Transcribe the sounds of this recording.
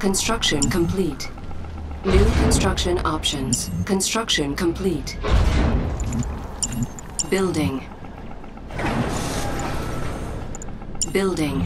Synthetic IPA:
kʰɨ̃nstɹ̥ʌkʃɨ̃nkʰə̃mpʰl̥it | nʉkʰə̃nstɹ̥ʌkʃɨ̃nɑpʃɨ̃nz̥kʰɨ̃nstɹ̥ʌkʃɨ̃nkʰə̃mpʰl̥it | bɪlˠdɪ̃ŋ | bɪlˠdɪ̃ŋ

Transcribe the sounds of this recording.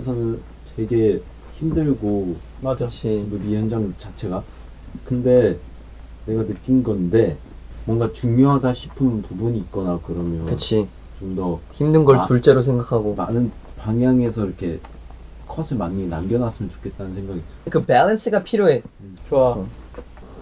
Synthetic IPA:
esʰʌnɯn | te̞ɡe̞ | çimdɯɭɡo | mad͡ʑat͡ɕʰibomiɦend͡ʑaŋt͡ɕat͡ɕʰe̞ɡa | kɯnde̞ | ne̞ɡanɯk͈inɡʌnde̞ | mwʌŋɡat͡ɕuŋjoɦadaɕʰi̥pʰɯnpubuɲiːt̚k͈ʌnakɯɾʌmjʌɯt͡ɕʰi | t͡ɕomdʌçimdɯnɡʌɭt͡ɕuɭt͡ɕ͈e̞ɾos̬ʰeŋɡakʰaɡomanɯnpaŋjaŋe̞sʰʌiɾʌkʰe̞ | kʰʌsʰɯmanːinamɡjʌnas͈ɯmjʌnt͡ɕo̥kʰe̞t̚t͈anɯnsʰeŋɡaɡit͡ɕokɯbelens͈ʰɯɡapʰiɾjoɦe̞ | t͡ɕʰoa

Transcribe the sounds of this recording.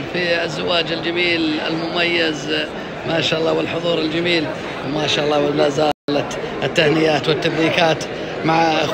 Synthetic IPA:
fiɪzːawaːd͡ʒɪld͡ʒamiːlɪ̰lmʊmajːɪz | maːʃaːʔɑlˤːɑːwɪlħʊðˤuːɾɪld͡ʒamiːl | wmaːʃaːʔɑlˤːɑːwɪlazaːlat̪ɪt̪ːahnɪjaːt̪wɪt̪ːabɾiːkaːt̪ | maʕ

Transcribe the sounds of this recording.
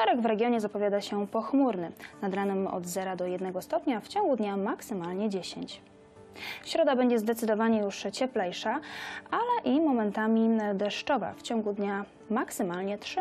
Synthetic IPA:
ʃɛɾɛɡvɾɛɡʲjɔɲɛzapɔvʲjad̪aɕɛpɔxmuɾnɘnad̪ɾanɘmɔ̰d̪zɛɾad̪ɔjɛd̪nɛɡɔst̪ɔpɲaft͡ɕɔ̃ŋɡud̪ɲamaksɘmalɲɛd͡ʑeɕḛɲt͡ɕ | ɕɾɔd̪abɛɲd͡ʑɛzd̪ɛt̪sɘd̪ɔvaɲɛjuʂt͡ɕɛplɛjʂaalɛʔimɔmɛnt̪amʲid̪ɛʂt͡ʂɔva̰ft͡ɕɔŋɡud̪ɲa | maksɘmalɲɛtʂɘ

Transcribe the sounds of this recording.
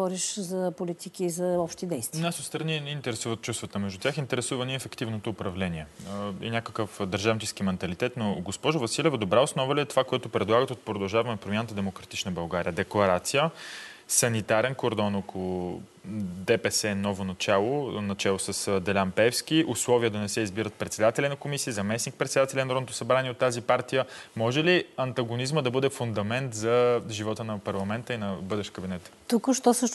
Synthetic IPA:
ɔɾiʃzɐpolit̪ikiːzɐɔpʃt̪id̪ɛjst̪vnasot̪st̪ɾɐninɛint̪ɛɾɛsuvət̪̚t͡ʃust̪vət̪əmɛʒd̪ut̪ʲaxint̪ɛɾɛsuvəniɛfɛkt̪ivnot̪oːpɾɐvlɛniɛḭnʲjakəkəfd̪ɐɾʒavnt͡ʃɛsk̟imɛnt̪ɐlit̪ɛt̪noɡospɔʒʊvɐsilʲɛvəd̪obɾaosnɔvəliɛt̪ovakoɛt̪ʊpɾɛd̪lˠaɡət̪ot̪̚pɾod̪ɐlˠʒavɐmɛpɾomʲjanət̪əd̪ɛmokɾɐt̪it͡ʃnəbɐlˠɡaɾḭjəd̪ɛklˠɐɾat̪sijəsɐnit̪aɾɛnkoɾd̪ɔnɔkolˠʊ | d̪ɛpɛsɛnɔvonɐt͡ʃalˠonɐt͡ʃalˠosəsd̪ɛlʲampɛfskʲiʔʊslˠɔviəd̪ɐnɛsɛizbiɾət̪̚pɾɛt̪sɛd̪at̪ɛlʲinɐkomisiːzɐmɛsnik̚pɾɛt̪sɛd̪at̪ɛlʲɛnɐɾɔd̪t̪ʊ̥sɐbɾaniɛot̪ːazipaɾt̪ijəmɔʒɛliɐnt̪ɐɡonizməd̪ɐbɤd̪ɛfund̪ɐmɛnt̪zɐʒivɔt̪ənɐpɐɾlˠɐmɛnt̪əinɐbɤd̪ɛʃt̪kəbinɛt̪t̪ukʃt̪ɔsəʃ

